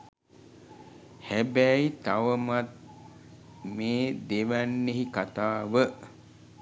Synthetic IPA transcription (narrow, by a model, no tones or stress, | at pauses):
hæbæit̪aʋəmat̪̚ | meːd̪eʋænːeɦikat̪aːʋə